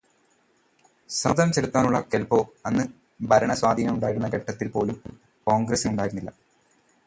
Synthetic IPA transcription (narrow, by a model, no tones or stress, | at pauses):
sɐd̪ɐmt͡ɕeɽut̪ːaːnuɭːɐkelpo̞ːɐnːɨ | bʱɐɾɐɳɐswaːd̪ʱiːnɐmuɳɖaːjiɾunːɐkeʈːɐt̪ːilpo̞ːlum | ko̞ːŋɡɾɐsumuɳɖaːjiɾunːilːɐ̰